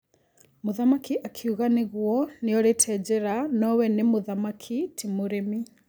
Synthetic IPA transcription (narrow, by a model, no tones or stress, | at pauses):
moðamakiʔakʰiuɣaneɣwɔneɔɾetʰɛd͡ʑɛɾanɔwɛnemoðamakʰitʰimoɾemi